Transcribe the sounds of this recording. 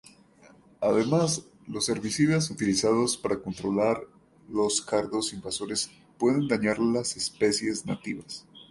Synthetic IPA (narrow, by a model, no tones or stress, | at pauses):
aðe̞mas | lo̞sːe̞ɾβisiðas̬ut̪ilisað̞o̞spaɾako̞nt̪ɾo̞laɾ | lo̞skaɾðo̞simbaso̞ɾes | pwe̞ðe̞nd̪aɲaɾlase̞spe̞sje̞zna̰t̪iβas